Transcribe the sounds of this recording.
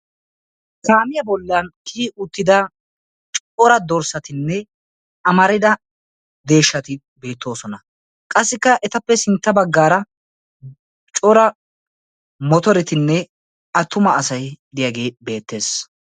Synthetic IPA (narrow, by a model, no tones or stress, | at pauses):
kaːmɪjɐbɔlːɐnkʰiːʊt̪ːɪd̪ɐ | t͡ʃʼ | ɔɾɐd̪ɔɾsɐt̪ɪnːɛ | ʔɐmɐɾɪd̪ɐ | d̪e̞ːʃːɐt̪ɪ | be̞ːt̪ːo̞ːsɔnɐ | kʼɐsːɪkːɐʔɛt̪ɐpːɛsɪnt̪ːɐbɐɡːaːɾɐ | t͡ʃʼɔɾɐ | mɔt̪ɔɾɪt̪ɪnːɛ | ɐt̪ːʊmɐːsɐjd̪ɪjaɡe̞ːbe̞ːt̪ːe̞ːs